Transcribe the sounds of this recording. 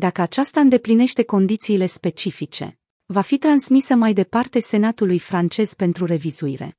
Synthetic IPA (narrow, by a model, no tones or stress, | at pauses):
d̪akəat͡ʃast̪aɨnd̪e̞pline̞ʃt̪e̞ko̞nd̪it̪siːle̞spe̞t͡ʃifit͡ʃe̞̰ | vafit̪ɾansmisəmajd̪e̞part̪e̞se̞nat̪ulujfɾant͡ʃe̞z̥pe̞nt̪ɾure̞viz̥uiɾe̞̰